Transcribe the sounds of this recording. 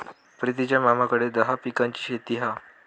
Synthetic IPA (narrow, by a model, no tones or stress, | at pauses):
pɾit̪̬it͡ɕjamamakəɽed̪əɦapikaɲt͡ɕiːɕet̪iːɦa